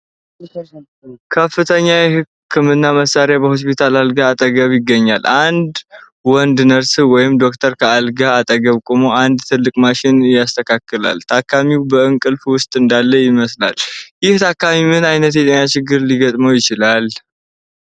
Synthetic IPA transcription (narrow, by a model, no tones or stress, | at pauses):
kʰəfːɨt̪ʰəɲːajɛhɨ | kʰːɨmɨnːaməsaɾjabəho̞s̬pit̪ʰalalɡaːt̪ʼəɡəβjɪɡːəɲːa̰lʔand̪ | wɔnd̪nəɾsɨwɔjɪmd̪o̞k̚t̪ʰəɾkʰəalɡaːt̪ʼəɡəβkʼomoand̪t̪ʰɨlːɨkʼmaʃɪnjast̪ʰəkʰakːɨla̰lt̪ʰakːamiwbəɨŋkʼɨlfwʊst̪ʼɨnd̪alːəjɪməsla̰ljɪht̪ʰakːamimɨnajnət̪jɛt̪ʼenːat͡ʃɪɡːɨɾliɡət̪ʼməwjɪt͡ʃɪlal